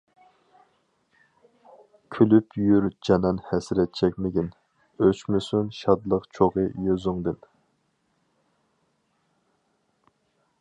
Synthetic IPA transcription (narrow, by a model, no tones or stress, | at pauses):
kʲʰylypʰjyɾd͡ʒɑnɑnhɛsɾɛt̪̚t͡ʃʰɛk̚ʲmɪɡʲin | øt͡ʃmysunʃɑd̪lˠəqt͡ʃʰoʁɨjøzʊŋd̪ɨn